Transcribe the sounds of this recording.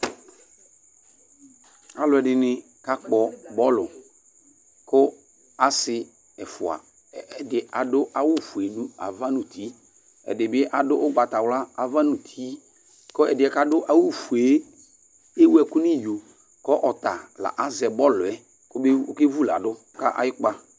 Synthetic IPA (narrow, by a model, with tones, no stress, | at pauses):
a˨lʊ˨ɛ˨dɪ˨nɪ˨ | ka˦k͡pɔ˨bɔ˦lʊ˨ | kʊ˦ | a˦sɪ˨ | ɛ˨fʊ˨a̰˨ | ɛ˨dɪ˨a˨dʊ˦ʔa˨wʊ˦˨fu˨e˨nũ˦a̰˨va˦nʊ̃˨ti˨˦ | ɛ̰˨dɪ˨bɪ˦ʔa˨dʊ˦ʔʊ˦ɡ͡ba˨ta˨wla˦a˨va˦nʊ̃˨t̪ʰi˨˦ | kɔ˦ɛ˨dɪ˨ɛ˨ka˦dʊ˦ʔa˨wʊ˦˨fu˨e˨˦ | e˦wu˦ɛ˨kʊ˦nɪ˦jo˨ | kɔ˦ʔɔ˨t̪a˨la̰˨ʔa˨zɛ˨bɔ˦lʊ˨ɛ˨ | kʊ˦bɪ˦ʊ̰˦ke˦vu˦la̰˨dʊ˦ka̰˦ʔa̰˨jɪ˦k͡pa˦